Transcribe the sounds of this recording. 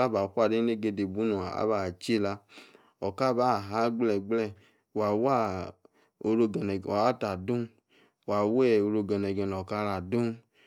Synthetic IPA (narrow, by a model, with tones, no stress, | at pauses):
a˦ba˨kʷa˦˨de˦e˦˨ɡe˧de˨bu˦nu˨a˨a̰˦ba˨t͡ʃi˦˨la˧ | ɔ˨ka˦ba˦˨ɦa˦ɡ͡blɛ˨ɡ͡blɛ˦˨ | wa˨wa˦ | o˧ɾo˧ɛ˨n˨ɔ˨a˦ta˨du˦˨ | wa˨wɛ˦o˧ɾo˧ɡɛ˨nɛ˨ɡɛ˨nɔ˨ka˧˦ɾa˨du˦n